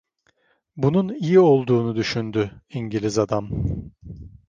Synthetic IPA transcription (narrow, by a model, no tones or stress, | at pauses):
bununijio̞lˠd̪uːnud̪yʃynd̪yiɲɟilʲizad̪am